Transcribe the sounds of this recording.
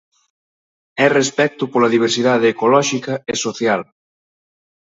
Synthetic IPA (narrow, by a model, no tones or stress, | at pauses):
ɛrespɛk̚t̪ʊpolɐðiβ̞eɾsiðað̞eːkolɔʃikɐesoθjal